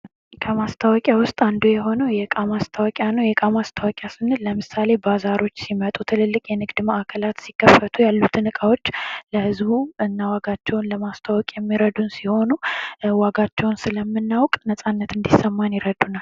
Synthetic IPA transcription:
kʼʰəmast̪ʰawɔkʼjawʊst̪ʼand̪ujɛɦo̞nəwjɛkʼamast̪ʰawɔkʼjanəwjɛkʼamast̪ʰawɔkʼjasɨnɨlːəmɨsale̞bazaɾo̞t͡ʃːsimət̪ʼut̪ʰɨlɨlːɨkʼjɛnɨɡd̪məʔakʰəlat̪sikʰːəfːət̪ʰujalːut̪ʰɨnɨkʼawo̞t͡ʃːləhɨzbuɨnːawaɡat͡ʃːɛwnləmast̪ʰawɔkʼjɛmːiɾəd̪unsiho̞nuwaɡat͡ʃːɛwnsɨləmːɨnːawkʼnəsʼanːət̪ɨnd̪isəmːanjiɾəd̪unal

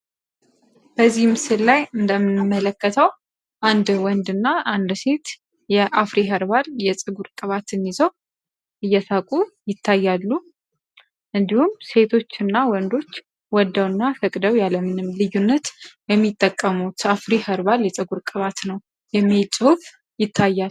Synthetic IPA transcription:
b̥əzːihmɨsɨllajɨnd̪əmɨnɨmːələkːət̪ʰəw | ʔand̪wɔnd̪ɨnːaʔand̪se̞t̪ | jɛʔafɾiɦəɾβaljɛsʼɨɡuɾkʼɨβat̪ʰɨnizəw | ʔɨjːɛsʰakʼujɪt̪ʰːajːalːu | ʔɨnd̪ihumse̞t̪ʰo̞t͡ʃːɨnːawɔnd̪o̞t͡ʃː | wɔd̪ːəwɨnːafəkʼd̪əwjaləmɨnɨmlɨjːunːət̪jɛmːit̪ʼːəkʼːəmut̪afɾihəɾbaljɛsʼɨɡuɾkʼɨβat̪nəw | jɛmːilsʼɨhuf | jɪt̪ʰːajːal

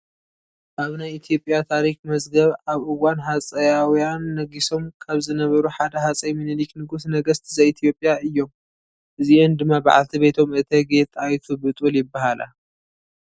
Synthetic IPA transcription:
ʔaβnajit̪ʰijo̞pʼjat̪ʰaɾikmɐzɡɐβaβʔɨwːanɦat͡sʼɐjawijanːɐɡiso̞mkʰaβzɨnɐβɐɾuħad̪ɐɦat͡sʼɐjmɨnɨliknɨɡusnɐɡɐst̪ʰizɐit̪ʰjo̞pʼjaɨjːo̞m | ʔɨziʔond̪ɨmːaba̰ʕa̰lt̪ʰibe̞t̪ʰo̞mɨt̪ʰɐɡe̞t̪ʰajt̪ʰubɨt̪ʼuljɪbːaɦalʔa̰

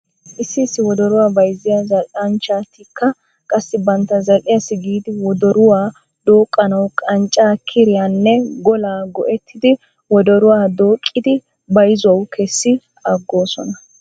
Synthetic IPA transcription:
ʔɪsːɪːsːɪwɔd̪ɔɾʊwaːbɐjzɪjazɐlʔɐnt͡ʃaːt̪ɪkːɐ | kʼɐsːɪbɐnt̪ːɐzɐlʔɪjɐsɪɡiːd̪ɪwɔd̪ɔɾʊwaː | d̪̥oːkʼːɐnɐwkʼɐnt͡ʃʼːaːkʰɪɾɪjanːɛɡɔlaːɡɔʔɛt̪ʰːɪd̪ɪ | wɔd̪ɔɾʊwaːd̪o̞ːkʼːɪd̪ɪ | bɐjzʊwɐwkʰɛsːɪ | ɐɡːo̞ːsɔnɐ

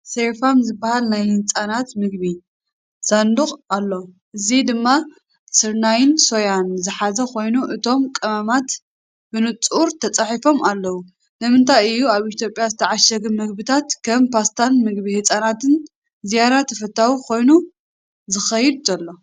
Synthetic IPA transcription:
sefamzɨbːahalnajhɨt͡sʼanat̪mɨɡ̚βi | sand̪uxʼalːo | ʔɨzid̪ɨmːa | sɨɾnajɪnso̞janzɨħazɐkʰo̞jnuʔɨt̪ʰo̞mkʼɐmamat̪ | b̥ɨnɨt͡sʼuɾt̪ʰɐt͡sʼaħifo̞malːɐwu | nɨmɨnt̪ʰajɨjːuaβit̪ʰjo̞pʼjazɨt̪ʰɐʕaʃɐɡɨmɨɡbɨt̪ʰat̪kʰɐmpʰast̪ʰanmɨɡbihɨt͡sʼanat̪ʰɨn | zijaɾat̪ʰɐfɐt̪ʰːawikʰo̞jnu | zɨxɐjɪd̪̚zɐlːo̞

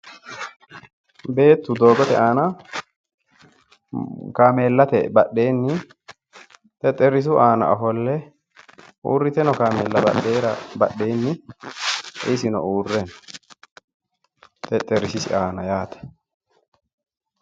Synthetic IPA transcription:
be̞ːt̪ːʊd̪o̞ːɡɔt̪ɛʔaːnɐ | kaːme̞ːlːɐt̪ɛbɐɗːeːnːɪ | t̪ɛt̪ʼːɛɾɪs̬ʊʔaːnɐ̰ʔɐfɔlːɛ | ṵːrːɪt̪ɛnɔkaːmeːlːɐbɐ̰ɗeːɾɐbɐ̰ɗːeːnːɪ | ʔɪsɪnɔ̰uːrːɛn | t̪ʼɛt̪ʼːɛɾɪsɪsɪʔaːnɐjaːt̪ɛ̥

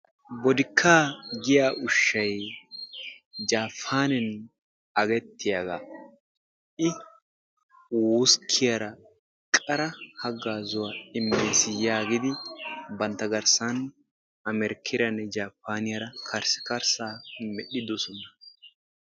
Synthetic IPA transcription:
bɔd̪ɪkʰːaːɡɪjaːʔʊʃːɐj | d͡ʒaːpʰːaːnɛn | ɐɡɛt̪ːɪjɐɡa | ʔɪ | wuskʰːɪjɐɾɐ | kʼɐɾɐhɐɡːaːzɔwaɪmːeːsɪjaːɡɪd̪ɪbɐnt̪ːɐɡɐɾsɐn | ɐmɛɾɪkʰːɪɾɐnːɛd͡ʒaːpːaːnɪjɐɾɐkʰɐɾsɪ̥kɐɾsaːmɛɗɪd̪ɔsɔnɐ

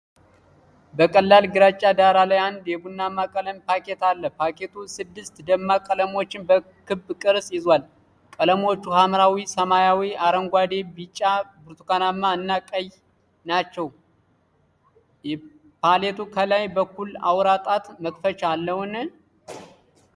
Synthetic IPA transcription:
bəkʼəlːalɡɨɾat͡ʃʼːad̪aɾalajand̪jɛbunːamːakʼələmpʰake̞t̪alːəpʰake̞t̪ʰusɨd̪ːɨst̪d̪əmːakʼələmo̞t͡ʃːɪnbə | kɨbkʼɨɾsʼjɪzwal | kʼələmo̞t͡ʃːuhamɾawisəmajawiaɾəŋɡʷad̪e̞bit͡ʃʼːabɨɾt̪ʰukanamːanːakʼəj | nat͡ʃːɛw | jɛ | pʰale̞t̪ʰukʰəlajbəkːula̰wɾat̪ʼat̪məkʼfət͡ʃalːəwn

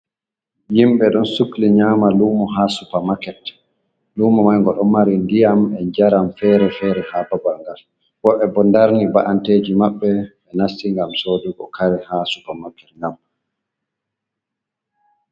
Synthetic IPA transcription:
jimɓɛɗɔnsukliɲaːmaluːmɔɦasupamakɛt | luːmɔmajŋɡɔɗɔmaɾindijamɛɲd͡ʒaɾamfɛɾɛfɛːɾɛhababalŋɡal | wɔɓɛbɔndaɾnibaʔanteːd͡ʒimaɓːɛ | ɛnasːiŋɡamsodiɡɔ̰kʰaɾɛhasupamakɛtŋɡam

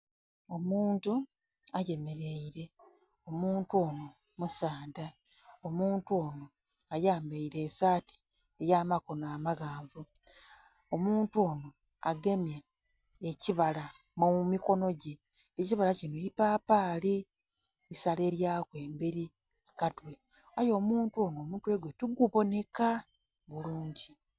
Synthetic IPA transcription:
o̞muːntu | aje̞me̞ɾe̞iɾe̞ | o̞muːntuo̞ːno̞ | musaːda | o̞muːntuoːno̞ | ajaːmbeiɾe̞ːsaːti̥ | ejaːmako̞naːmaɣaːɱvu | omuːntuoːno̞ | aɡe̞mjeː | ciβala | mumiko̞no̞ɟeː | ciβalacinoipaːpaːli | isale̞ːɾjaːkwe̞ːmbeɾi | akatwe | ajo̞ːmuːntuo̞no̞ːmutwe̞ːɡwetuɡuβo̞ne̞ka | βuluːɲɟi

